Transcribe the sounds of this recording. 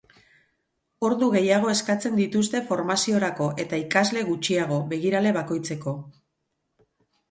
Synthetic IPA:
o̞ɾðuɣe̞jaɣ̞o̞e̞skat͡se̞nd̪it̪ust̪e̞fo̞ɾmasio̞ɾako̞ʔe̞t̪aikazle̞ɣut͡ʃiaɣ̞o̞βe̞ɣiɾale̞βako̞jt͡se̞ko̞

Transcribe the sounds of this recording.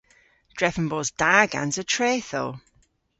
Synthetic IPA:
d̥ɹɛfə̃nbɔːzdaːɡã̰nzətʰɹ̥eːθo

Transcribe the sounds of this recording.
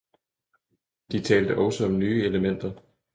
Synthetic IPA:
d̥it͡sʰɛːld̥əʔɒʊsəɒ̽mnyːeləmen̰d̥ɐ

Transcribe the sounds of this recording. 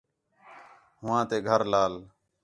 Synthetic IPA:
ɦʊʋãːt̪eːɡʱəɾlaːl

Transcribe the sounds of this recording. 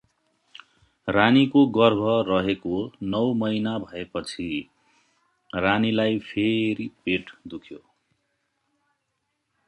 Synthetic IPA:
ranikoɡʌrbʱʌrʌɦekonʌwmʌjnabʱʌepʌt͡sʰi | ranilajpʰeɾipeʈd̪ukʰjo

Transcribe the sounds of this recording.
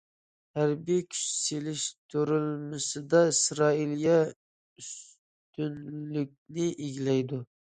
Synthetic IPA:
hæɾbijkʲʰy̥t͡ʃselɪʃt̪ʰuɾylmɪsɨd̪ɑisɾɑiljɛ | ys | t̪ynlyk̚ʲnɪʔeɡʲlɛjd̪u

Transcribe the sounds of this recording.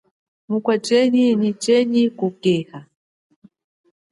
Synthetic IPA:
mukwat͡ʃɛninit͡ʃɛɲikukɛha

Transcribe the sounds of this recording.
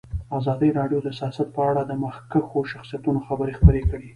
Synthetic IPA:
azɑd̪əjɾɑɖjod̪əsjɑsat̪̚pəaɽad̪əmaxkaxoʃaxsijat̪unoxabəɾexpəɾekəɽi

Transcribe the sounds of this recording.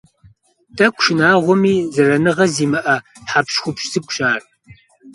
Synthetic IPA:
tʰʼɐkʷʰʼʃɪnaːʁʷɔmiːzɐrɐnɨʁɐziːmɨʔɐħapɕxʷʊpɕzɨkʷʰʼɕʼaːr

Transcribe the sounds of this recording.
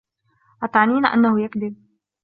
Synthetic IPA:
ʔat̪ʕniːnaʔa̰nːahʊjakd̪ɪb̚

